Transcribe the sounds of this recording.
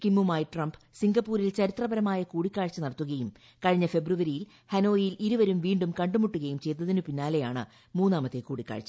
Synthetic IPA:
kimːumaːjiʈrɐmbsiŋɡɐpːuːɾilt͡ɕɐɾit̪rɐbɐɾɐmaːjɐkuːɽikːaːɻt͡ɕːɐnɐɽɐt̪ːuɣɐjum | kɐɻiɲːɐfe̞bruʋɐɾijil | hɐno̞ːjiliɾuʋɐɾumʋiːɳɖumkɐɳɖumuʈːuɣɐjumt͡ɕe̞jt̪ːɐðinupinːaːle̞jaːɳɨ̰ | muːnːaːmɐt̪ːe̞kuːɽikːa̰ːɻt͡ɕːɐ̥

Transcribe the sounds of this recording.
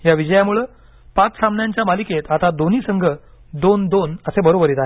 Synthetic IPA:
jaʋid͡ʑəjamuɭə | pat͡ssamnjaɲt͡ɕjamaliket̪at̪ad̪oniːsəŋɡʱəd̪ond̪onəsẽbəɾobəɾit̪aɦe

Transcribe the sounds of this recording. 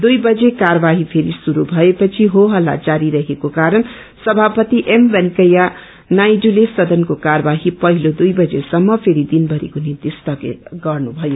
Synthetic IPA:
d̪ujbʌd͡zekaɾʌbaɦipʰeɾisuɾubʱʌepʌt͡sʰiɦoɦʌlːa̰d͡zaɾiɾʌɦekokaɾʌn | sʌbʱapʌt̪iʔembʌnkʌja | najɖulesʌd̪ʌnkokaɾʌbaɦipʌɦilod̪ujbʌd͡zesʌmːʌpʰeɾid̪inbʌɾḛkonint̪ist̪ʌkḛɡʌrnubʱʌjo

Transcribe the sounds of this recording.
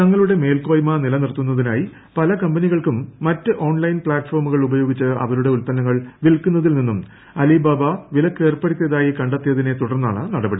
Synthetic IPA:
t̪ɐŋːɐɭuɽe̞me̞ːlko̞ːjmɐnilɐnirt̪ːunːɐðinaːji | pɐlɐkɐmbɐniɣɐɭkumːɐtːɨʔo̞ːɳlɐjnpɭaːʈfo̞ːrmuɣɐɭubɐjo̞ːɡit͡ɕːɨɐ̰ʋɐɾuɽe̞ulpɐnːɐŋːɐɭʋilkːunːɐðilninːum | ɐlibaːbɐʋilɐkːe̞ːrpɐɽit̪ːeðaːjikɐɳɖet̪ːijɐðine̞t̪uɽɐrnːa̰ːɳɨnɐɽɐbɐɽi

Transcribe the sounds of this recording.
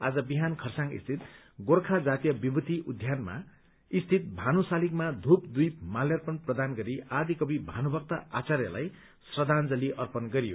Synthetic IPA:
ad͡zʌbiɦankʰʌrsãŋɡḭst̪ʰit̪ | ɡorkʰad͡zat̪ijʌbibut̪iʔud̪ʱjanma̰ | ist̪ʰit̪̚bʱanusalikmad̪ʱupd̪ujp̚maljʌrpʌnprʌd̪anɡʌɾiad̪ikʌbibʱanubʌkt̪aat͡sarjʌla̰j | srʌd̪and͡zʌliʔʌrpʌnɡʌɾijo

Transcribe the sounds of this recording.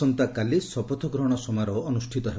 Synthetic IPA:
ɔnt̪akalisɔpɔt̪ʰɔɡɾɔɽ̃ɔsɔmajɾɔɔnusʈʰit̪ɔɦe

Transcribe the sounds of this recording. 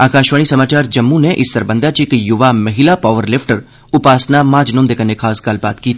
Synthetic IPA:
aːkaːʃʋaːɽ̃isɐmaːt͡ʃaːɾd͡ʒɐmːuneʔɪsːɐɾbə̃nd̪at͡ʃikjʊʋamɐɦɪlapaːʋəɾlɪpʰʈəɾ | ʊpaːsnamaːd͡ʒnõnd̪ekənːekʰaːskaːlba̰ːt̪kiːt̪ʰː

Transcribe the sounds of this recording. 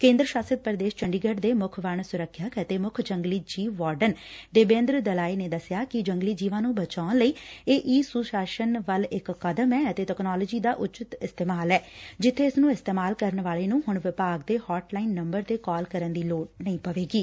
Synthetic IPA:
kẽːnd̪ɾəʃaːsəd̪̚pəɾəd̪eːʃt͡ʃəɳɖiːɡəɖd̪eːmʊkʰʋəɳsʊɾəkʰːjəkət̪eːmʊkʰd͡ʒəŋɡliːd͡ʒiːʋːaːɾɖənd̪eːbẽːnd̪ɾəd̪əlaːineːd̪əsjaːkɪd͡ʒəŋɡliːd͡ʒiːʋãːnũːbət͡ʃaːnləiːeːʔiːsuːʃaːʃənʋəlɪkːəd̪əmɛːət̪eːʈɛknɔːləd͡ʒiːd̪aːʔʊt͡ʃət̪ɪst̪eːmaːlɛːd͡ʒɪt̪ʰːeːɪsnũːɪst̪eːmaːlkəɾəɳʋaːleːnũːɦʊɳʋɪpaːɡ̚d̪eːhɔːʈlaːiːnːəmbəɾt̪eːkɔːlkəɾənd̪iːloːʈnəĩːpəʋeːɡiː

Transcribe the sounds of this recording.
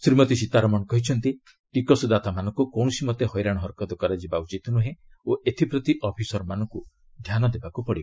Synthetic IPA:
sɾimɔt̪isit̪aɾɔmɔnɔkɔɦit͡ʃʰɔnt̪i | ʈikɔsd̪at̪amanɔŋkukɔw̃ɔsimɔt̪ehɔjɾaɽ̃ɦɔɾkɔd̪ɔkɔɾad͡ʒibaut͡ʃit̪nuɦe | oʔet̪ʰipɾɔt̪iʔɔpʰisɔɾɔmanɔŋku | d̪ʱjanɔd̪ebakupɔɽi

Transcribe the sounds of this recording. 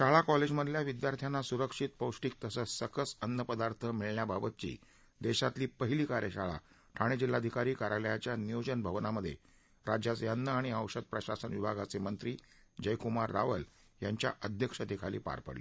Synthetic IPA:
ɕaɭakɔled͡ʑməd̪ʱljaʋid̪jaɾt̪ʰjanːasuɾəkʂiːt̪̚pəwʂʈiːk̚t̪əsəsəkəsənːəpəd̪aɾt̪ʰəmiɭɳjababət̪̚t͡ɕḭː | d̪eɕat̪liːpəɦiliːkaɾjəɕaɭa̰ | ʈʰaɽ̃ed͡ʑilːad̪ʱikaɾiːkaɾaljat͡ɕjanijod͡ʑənbʱəʋnaməd̪ʱːjḛ | ɾad͡ʑjat͡sjanːəaɽ̃iəwʂəd̪̚pɾəɕasənʋibʱaɡat͡semənt̪ɾiː | d͡ʑəjkumaɾːa̰ʋəl | jaɲt͡ɕja̰ʔəd̪ʱjəkʂət̪ekʰalḭːpa̰ɾpə̰ɽi

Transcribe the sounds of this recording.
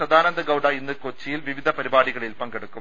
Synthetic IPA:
sɐd̪aːɾɐnd̪ɐɡɐwɽɐinːɨkot͡ɕːijilʋiʋid̪ʱɐpɐɾibaːɽiɣɐɭilpɐŋɡeɽukːum

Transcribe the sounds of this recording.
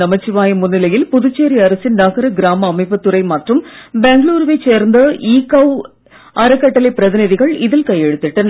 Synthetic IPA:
ɐmɐt͡ɕːiʋaːjɐmunːilɐjilpuðut͡ɕːeːɾiɐɾɐsinnɐɣɐɾɨɡɾaːmɐːmɐɪpːɐt̪ːurɐjmɐʈrɯmbeŋɡɭuːɾʋet͡ɕːeːrnd̪ɨʔiːkːɐw | ɐɾɨkːɐʈːɐleprɐðiniðiɣɐɭiðilkɐjːeɽut̪ːiʈːɨn

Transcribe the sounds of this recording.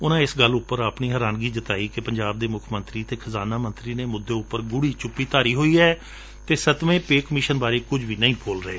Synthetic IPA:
ʊnãːɪsɡəlːʊpːəɾəpniːɦəɾaːnɡiːd͡ʒət̪aːiːkɪpəɲd͡ʒaːb̚d̪eːmʊkʰmə̃nt̪ɾiːt̪eːkʰəzaːnaːmə̃nt̪ɾiːneːmʊd̪ːeːʊpːəɾɡʊɽiːt͡ʃʊpːiːt̪aːɾiːɦoːiːɛː | t̪eːsət̪ʋẽːpeːkmɪʃənbaːɾeːkʊd͡ʒʋiːnəĩːpʰoːlɾəɦeː

